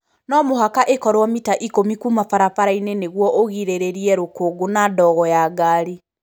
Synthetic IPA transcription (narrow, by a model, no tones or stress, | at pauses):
nɔmoɦakaʔekɔɾwɔmitaʔikomikumafaɾafaɾaineneɣwɔʔoɣiɾeɾeɾiɛɾokoːɡonadɔɣɔjaɡaɾi